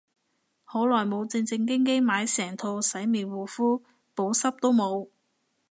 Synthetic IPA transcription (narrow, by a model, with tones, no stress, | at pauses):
ho˨˥wlɔː˨˩jmo˨˧wt͡sɪ˧ŋt͡sɪ˧ŋk̬ɪ˥ŋk̬e˥jmaː˨˧jsɛː˨˩ŋt̪ʰo˧wsɐ˨˥jmiː˨nwuː˨˩fuː˥ | po˨˥wsɐ˥p̚t̪o˥wmo˨˧w